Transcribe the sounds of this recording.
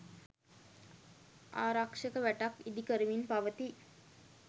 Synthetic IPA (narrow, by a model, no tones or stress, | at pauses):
a̰ːɾakʂəkəʋæʈakid̪ikəɾəʋinpaʋət̪i